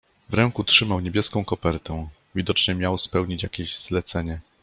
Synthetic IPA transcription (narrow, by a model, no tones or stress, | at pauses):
vɾɛŋkutʂɘmawɲebʲjɛskɔ̃w̃kɔpɛɾt̪ɛ | vʲid̪ɔt͡ʂɲɛmʲjawspɛwɲit͡ɕjakʲeʑzlɛt̪sɛɲɛ